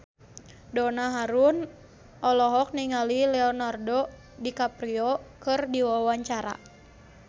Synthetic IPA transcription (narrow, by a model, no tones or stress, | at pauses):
dɔnaɦaɾun | ʔɔlɔɦɔk̚niŋalilɛɔnardɔ | dikapɾiɔkɨrdiwawaɲt͡ʃaɾa̰